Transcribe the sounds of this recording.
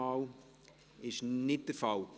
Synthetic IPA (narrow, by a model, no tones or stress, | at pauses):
ɑːl | ɪʃnɪt̚d̥əɾfɑw